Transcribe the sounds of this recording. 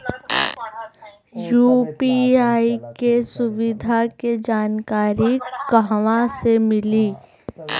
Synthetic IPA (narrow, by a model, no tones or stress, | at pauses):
juːpiaːikesʊʋɪd̪ʱaked͡ʒaːnkaːɾikəɦʋãsemɪliː